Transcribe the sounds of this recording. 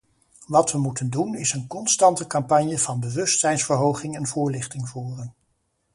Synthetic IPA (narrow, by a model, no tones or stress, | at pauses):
ʋɑtʋəmutəndunɪsənkɔnstɑntəkɑmpɑɲjəv̥ɑnbəʋɵstsɛjnsfəɹɦowχɪŋɛnvʊːɹlɪχtɪŋvuːrən